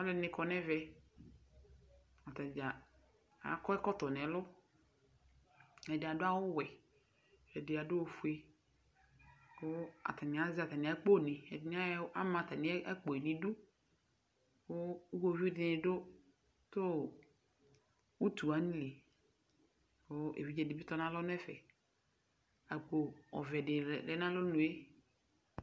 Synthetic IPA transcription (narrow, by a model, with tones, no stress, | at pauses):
a˨˦le˦nɪ̃˨kɔ˨nɛ̃˦vɛ˦ | a˨t̪a˨d͡ʒa˨ | a̰˨˦kɔ˦ɛ˦kɔ˦t̪ɔ˨nɛ̃˨lʊ˦ | ɛ˨dɪ˨a˨dʊ˦a˦wʊ˦wɛ˨ | ɛ˨dɪ˨a˨dʊ˦o˨fu˦e˦ | o˦a̰˨t̪a˨nɪ˨a˨˦zi˦a˨t̪a˨nĩ˨a˨˦k͡po˦˨nɪ̃˨ɛ̰˨ɪ˨n˦a˦a˦mã˨t̪a˨nɪ̃˨˦ɛ˦ɛ˦k͡po˨e˨nĩ˨du˦ | ko˦ko˦vi˦dɪ˨nɪ˨dʊ˦ | to˦ | wu˦tu˨a˨ni˦le˨ | ko˦ḛ˨vi˦d͡ʒɛ˦dɪ˨bɪ˦tɔ˦nã˦lɔ˦n˦ɛ˦fɛ˨ | a˨k͡po˨ɔ̰˨vɛ˨dɪ˨ɾɛ˦nã˦lo˦nũ˨e˦